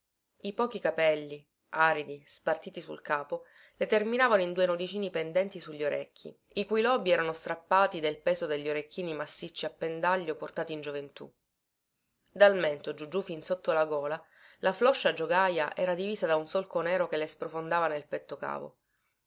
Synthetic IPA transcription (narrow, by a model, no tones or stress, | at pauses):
ipɔːkikapɛlːi | ʔaːɾid̪ispart̪iːt̪isṵlkaːpo | let̪erminaːvanoind̪uːenod̪it͡ʃiːnipend̪ɛnt̪isuʎːioɾʔḛkʰʲːḭ | ikujlɔːbiɛːɾanost̪ɾapːaːt̪id̪elpɛːzod̪eʎːioɾekʰːiːnimasːit͡ʃːiapːend̪aʎːoport̪aːt̪iːnd͡ʒovent̪ṵ | d̪alment̪od͡ʒud͡ʒufinsot̪ːolaɡɔːla | laflɔʃːad͡ʒoɡaja̰ʔɛːɾad̪iviːzad̪aunsolkonɛːɾokelespɾofond̪aːvanelpɛt̪ːoka̰ːvo̰